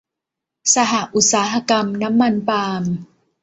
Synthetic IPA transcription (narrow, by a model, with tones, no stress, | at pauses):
sa˧ɦa˨˩ʔu˨˩t̪̚saː˩˦ɦa˧ka˧mna˦˥mːa˧npaː˧m